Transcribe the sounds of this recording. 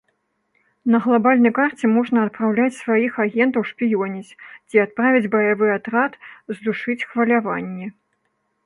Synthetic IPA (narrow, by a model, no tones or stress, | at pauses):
nɐɣlˠabalʲnɐjkart͡sʲɛmɔʐnɐːt̪̚pɾawlʲat͡sʲsvajixaɣʲɛnt̪ɐwʂpʲijɔnʲit͡sʲt͡sʲiat̪̚pɾavʲid͡zʲbɐjavɨjat̪ɾat̪zd̪uʂɨt͡sʲxvɐlʲavanʲːɛ